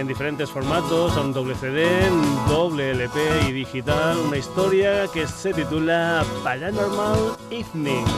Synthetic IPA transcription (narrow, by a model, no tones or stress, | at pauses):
end̪ifeɾe̞nt̪e̞sfo̞ɾmat̪osond̪o̞β̞leθeðed̪oβ̞leelepeiðixit̪alunaist̪o̞ɾjakese̞t̪it̪ulapaʎanoɾmaliθni